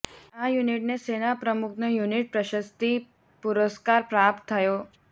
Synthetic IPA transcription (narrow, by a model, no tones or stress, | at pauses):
ajuniʈnesenapɾəmuknəjuniʈ̚pɾəɕəst̪i | puɾəskaɾpɾap̚t̪ʰːajo